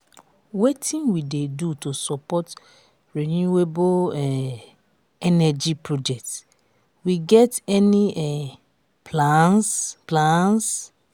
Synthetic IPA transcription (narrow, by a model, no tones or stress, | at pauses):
wetʰĩnwidedutosɔpɔt | ɹinueboɛ | ɛnɛd͡ʒipɹod͡ʒɛk̚t | wiɡɛtɛniɛ | pʰlãnsplãns